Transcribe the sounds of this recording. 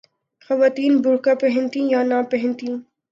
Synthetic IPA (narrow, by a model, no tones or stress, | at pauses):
xɐʋaːt̪iːnbʱʊɾkapɛɦɛ̃nt̪ĩjanapɛɦɛ̃nt̪ĩː